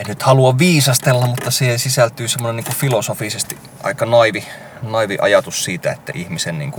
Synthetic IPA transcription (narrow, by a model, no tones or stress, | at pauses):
ennyt̪hɑluɑʋʋiːsɑst̪elːɑmmut̪ːɑsiːhensisælt̪yːsemːoneniːŋkufilosofisest̪i | ʔɑ̰ikːɑnɑiʋi | nɑiʋiʔɑ̰jɑt̪ussiːt̪æet̪ːæ̰ʔihmisennḭːŋku